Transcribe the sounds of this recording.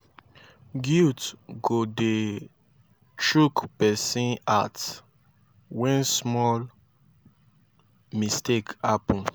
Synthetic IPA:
ɡutɡode | tʰɹukpɛsĩat | wɛ̃nsmɔl | mistekapɔ̃n

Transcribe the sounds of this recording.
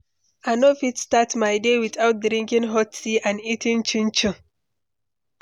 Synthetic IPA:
anofitstatmaɪdewiθaʊt̚dɾĩŋkĩŋɦɔtsiʔãnitĩŋt͡ʃĩnt͡ʃũ

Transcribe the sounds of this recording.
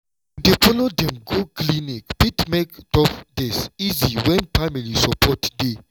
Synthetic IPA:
defɔlodɛ̃mɡoklinikpitmekd̥ɔpdɛsiziwɛ̃npamilisɔpʰɔtde

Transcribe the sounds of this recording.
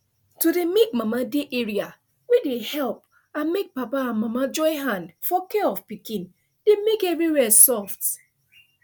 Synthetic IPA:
tudemik̚mamadeʔeɹia | wedehɛlp̚ | ãnmek̚papaãnmamad͡ʒɔɪɦãndfɔkeɔfpikĩn | demekɛvɹiwɛsɔft

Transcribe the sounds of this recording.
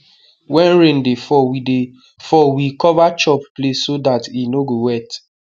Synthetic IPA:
wɛ̃nɹẽndefɔide | fɔwikɔvat͡ʃɔpplessodatinoɡowɛt

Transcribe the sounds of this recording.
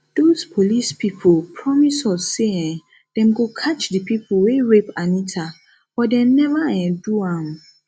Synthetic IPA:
d̥ospʰolispʰipʰpʰɹɔmisɔsːeɛ̃ | d̥ɛ̃mɡokʰat͡ʃdipipʰweɹepanitʰa | bɔdɛ̃mnɛvaɛ̃nduãm

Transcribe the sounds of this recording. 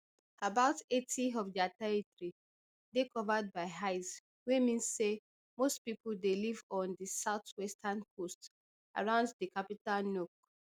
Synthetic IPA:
abaʊtetiɔfd͡ʒataitɹi | dekɔvad̚baɪɦaɪs | wemĩnsːe | mostpipuldelivɔ̃ndisaʊtwɛstʰankʰost | a̰ɹãʊ̃nddikapitalnok̚

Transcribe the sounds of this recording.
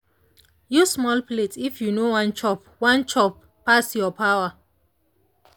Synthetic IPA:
jusmɔlpletifjunowãnt͡ʃɔp̚ | wãnt͡ʃɔpːasjɔpʰawə

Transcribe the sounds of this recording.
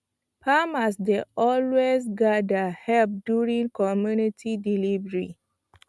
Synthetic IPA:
pamasdeʔɔlwezɡadahɛlp̚djuɹĩŋkɔmjunitʰidilivəɹi

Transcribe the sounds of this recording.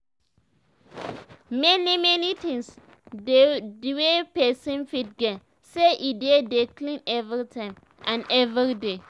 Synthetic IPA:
mɛnimɛnitĩŋs | dedwepɛsĩnfit̚ɡɛ | seʔidedeklĩnɛvɾitʰãɪ̃m | ʔãnɛvɹide

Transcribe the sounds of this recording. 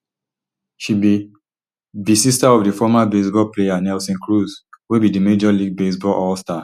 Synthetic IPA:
ʃibi | bisistaɔvdifɔmabesbɔlpleanɛlsɔ̃nkɹuzwebidimed͡ʒɔliɡ̚besbɔlʔɔlsta

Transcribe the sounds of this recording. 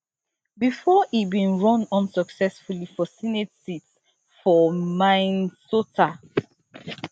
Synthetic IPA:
bifɔibĩnɹɔ̃nɔ̃nsɔksɛsfulifɔsinetsit | fɔmãɪnsotʰa

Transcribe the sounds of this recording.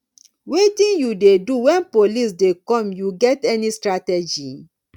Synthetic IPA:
wetĩnjudeduwɛ̃npolis̬dekɔ̃mjuɡɛtɛnistɹatɛd͡ʒi

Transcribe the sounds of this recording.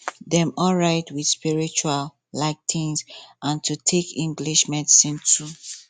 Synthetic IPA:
dɛ̃mɔlɹaɪtwidspiɹit͡ʃual | laɪk̚tʰĩnsʔãntʰutʰekʰĩŋɡliʃmɛdisĩntʰu

